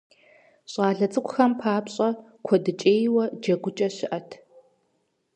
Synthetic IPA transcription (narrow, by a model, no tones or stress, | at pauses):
ɕʼaːɮɐt͡sʼɨkʷʰʼʊxɐmpʰaːpɕʼɐkʷʰɔdɨt͡ʃʼeːjwɐd͡ʒɐɡʷʊt͡ʃʼɐɕɪʔɐtʰ